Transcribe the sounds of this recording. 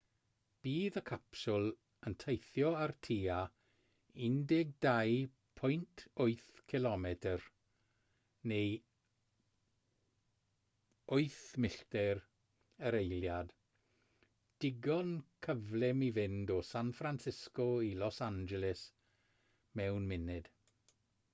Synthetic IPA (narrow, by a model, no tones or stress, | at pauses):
b̥iːðəkʰapsʊlˠ | əntʰejθjɔartʰiːa | ɪndɪɡ̚daj | pʰɔjntʰʊɨθkʰɪlɔmɛtʰər | nej | ʊɨθmɪɬtɛɾ | əɾejljad | d̥ɪɡɔnkʰəvlɛmivɪndɔsanfransɪskɔilɔsand͡ʒɛlɪs | mɛwnmɪnɪd̥